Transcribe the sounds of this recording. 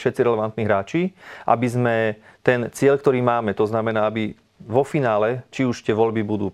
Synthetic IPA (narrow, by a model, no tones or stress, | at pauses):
ʃɛt̪t͡siɾɛlɛʋant̪niːɦɾaːt͡ʃiʔa̰bizmɛt̪ɛnt͡sɪɛʎk̚t̪ɔɾiːmaːmɛt̪ɔznamɛnaːabi | ʋɔfinaːlɛt͡ʃiuʃt̪ɪɛʋɔlbibud̪uː